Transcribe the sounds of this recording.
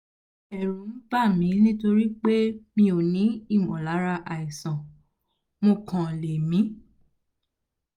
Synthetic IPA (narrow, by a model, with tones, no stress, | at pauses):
ɛ˨ɾũ˨˦n̩˦ba˦˨mĩ˨˦nĩ˦to˧ɾi˦k͡pe˦mĩ˧o˨nĩ˨˦i˦˨mɔ̃˨la˨˦ɾa˧ʔa˨i˨sã˨ | mõ˧kʰã˨le˨mĩ˨˦